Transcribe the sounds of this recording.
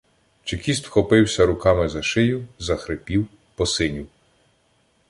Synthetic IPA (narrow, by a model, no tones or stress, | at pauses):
t͡ʃekʲis̬t̪wxɔpɪwsʲɐɾʊkɑmɪzɐʃɪjʊzɐxɾɪpʲiw | pɔsɪnʲiw